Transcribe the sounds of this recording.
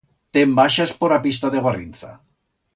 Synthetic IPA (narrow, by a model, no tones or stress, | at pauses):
t̪embaʃaspoɾapis̬t̪aðeɣarinθa̰